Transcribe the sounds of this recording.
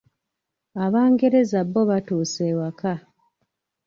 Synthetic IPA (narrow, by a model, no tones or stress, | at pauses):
aβaːŋɡe̞ɾezabːoβatuːsewaka